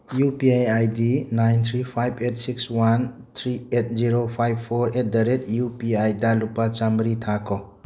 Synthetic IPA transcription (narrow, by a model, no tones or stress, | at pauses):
jupiajajdinajnt̪ʰɾipʰajbet̚sikswan | t̪ʰɾiet̚ʰziɾopʰajbpʰːoɾet̚ʰdɐɾetjupiajdalupːat͡ʃambɾitʰakʰɔ